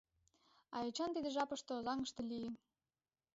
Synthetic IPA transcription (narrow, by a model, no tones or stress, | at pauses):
ɑ̰jet͡ɕɑnt̪id̪eʒɑpɤ̆ʃt̪oozɑŋə̆ʃt̪ɤ̆lijə